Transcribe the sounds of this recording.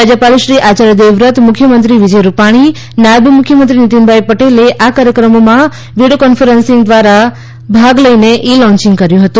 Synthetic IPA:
ad͡ʒəpaliʃɾiʔat͡ʃaɾjəd̪eʋɾət̪mukʰːjəmənt̪ɾiʋid͡ʒəjɾupaɽ̃i | nabʱəmukʰjəmənt̪ɾinit̪inbʱajpəʈeleʔakaɾjəkɾəmomã | ʋiɽijokɔnfʰəɾənsĩŋɡd̪ʋaɾa | bʱaɡləineʔilɔ̃ɲt͡ʃĩŋɡkəɾjũɦət̪ũ

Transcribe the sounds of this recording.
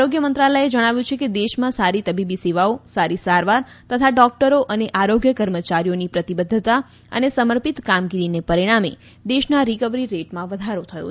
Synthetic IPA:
aɾoɡjəmənt̪ɾaləed͡ʒəɽ̃aʋjũt͡ʃʰeked̪eʃmãsaɾit̪əbibiseʋaosaɾisaɾʋaɾ | t̪ət̪ʰaɖɔk̚ʈəɾoʔəneʔaɾoɡjəkəɾmət͡ʃaɾijonipɾət̪ibəd̪ʱːət̪a | ə̰nesəməɾpit̪kamɡiɾinepəɾiɽ̃amḛ | d̪eʃnaɾikəʋɾiɾeʈmãʋəd̪ʱaɾot̪ʰəjo̰

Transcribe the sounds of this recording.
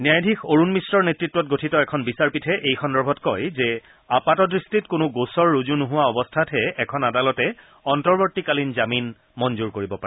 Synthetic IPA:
niajdʱikoɹunmisɹɔɹnetɹitːwɔt̚ɡotʰitɔɛkʰɔnbisaɹpitʰɛʔejxɔndɔɹbʱɔtkɔjzɛ | apatɔdɹistitkʊnʊɡosɔɹːuzunʊɦʊwaɔbɔstʰatɦɛɛkʰɔnadalɔtɛ | ɔntɔɹbotːikalinzamin | mɔnzuɹkoɹibɔpa

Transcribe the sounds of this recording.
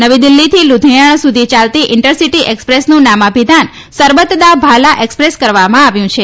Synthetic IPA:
nəʋid̪ilːit̪ʰilud̪ʱijəɳsud̪ʱit͡ʃalt̪iʔɪɳʈəɾsiʈiʔekspɾesnũnamapid̪ʱan | səɾʋət̪d̪abʱalaʔekspɾeskəɾʋamãaʋjũt͡ʃʰe

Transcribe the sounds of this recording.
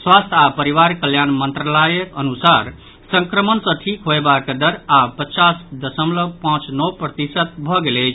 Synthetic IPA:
swast̪ʰapəɾiʋaɾkəljanmənt̪ɾəlajəkənusaɾ | sə̃ŋkɾəmənsʌ̃ʈʰikɦoebaked̪əɾapət͡ʃasd̪əsəmləpãt͡ʃnɔwpɾət̪isət̪̚bʱɔɡelɛt͡ʃʰ

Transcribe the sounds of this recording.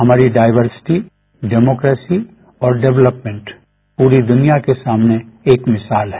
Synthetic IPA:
ɦɐmaːɾiɖaːɪʋəɾsɪ̥ʈi | ɖɛːmoːkɾeːsi | ɔːɾɖɛʋləpmẽɳʈ | puːɾid̪ʊnijakesaːmneeːkmɪsaːlɦɛ

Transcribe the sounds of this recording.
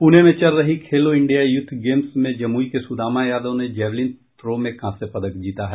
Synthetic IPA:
punemẽt͡ʃɐɾːɐɦikʰeːloɪ̃ɳɖijajʊd̪ʱːɡeːmsmẽd͡ʒɐmuːikesʊd̪aːmajaːd̪õned͡ʒɛːʋlin | t̪ɾoːmẽkãːsepɐd̪əkd͡ʒiːt̪aɦɛ

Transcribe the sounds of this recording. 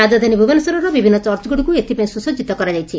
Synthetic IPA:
ad͡ʒad̪ʱanibʱubanɔsɔɾɔɾɔbibʱinːɔt͡ʃɔɾt͡ʃɔɡuɽikuet̪ipaj̃ĩsusɔd͡ʒit̪ɔkɔɾad͡ʒajt͡ʃʰi

